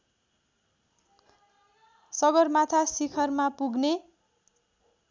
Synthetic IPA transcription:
sʌɡʌrmat̪ʰasikʰʌrmapuɡne

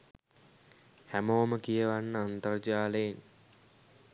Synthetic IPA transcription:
hæmoːməkijəʋanːəant̪ərd͡ʒaːləjen

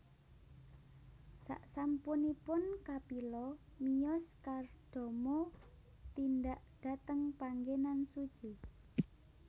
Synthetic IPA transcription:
sa̰ʔsampunipʊnkapilɔmijɔskard̪̥o̤mɔ | t̪ind̪aʔɖ̥a̤t̪əŋpaŋɡenansud̥ʒ̥i

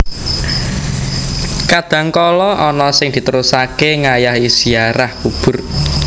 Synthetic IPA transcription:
kad̪̥ä̤ŋkɔlɔʔɔnɔsɪŋd̪̥i̤t̪əɾusakeŋajahisiaɾahkub̥ʊ̤r

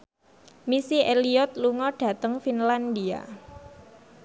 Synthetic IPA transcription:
misieliɔt̪̚luŋɔɖ̥ä̤t̪əŋfinland̪ia̰

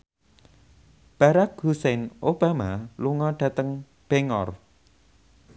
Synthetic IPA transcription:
b̥a̤ɾak̚husɛnob̥a̤maluŋɔɖ̥ä̤t̪əŋ | b̥eŋɔr

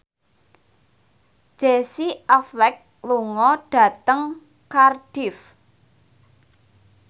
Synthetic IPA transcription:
ʒ̥esiɔflɛk̚ | luŋɔɖ̥ä̤t̪əŋ | karɖ̥ɪf

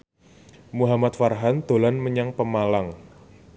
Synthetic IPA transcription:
muɦamat̪̚farɦand̪̥o̤lanməɲaŋpəmalaŋ

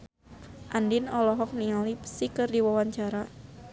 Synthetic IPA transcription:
ʔandinɔlɔɦɔk̚niŋalipsikɨrdiwawaɲt͡ʃaɾa

